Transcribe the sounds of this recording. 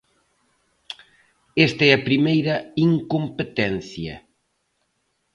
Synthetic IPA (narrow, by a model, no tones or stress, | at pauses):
est̪ɐɛɐpɾimejɾɐiŋkompet̪ɛn̟θjɐ̰